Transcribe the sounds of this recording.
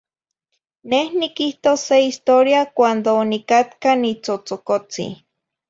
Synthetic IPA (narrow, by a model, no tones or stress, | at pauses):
nehnikiht̪oseist̪oɾjakʷand̪onikat̪kanit͡sot͡sokot͡sḭ